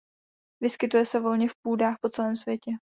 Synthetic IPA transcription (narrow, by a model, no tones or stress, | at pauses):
vɪskɪt̪ujɛsɛvo̞lɲɛfpuːdaːxpo̞t͡sɛlɛːmsvʲjɛcɛ